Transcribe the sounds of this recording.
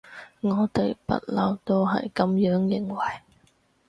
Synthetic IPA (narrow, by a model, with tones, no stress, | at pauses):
ŋɔː˨˧t̪e˨jpɐ̰˨˥t̚lɐ˨˩wt̪o˥wɦɐ̰˨jkɐ˨˥mjœː˨˥ŋjɪ˨ŋwɐ˨˩j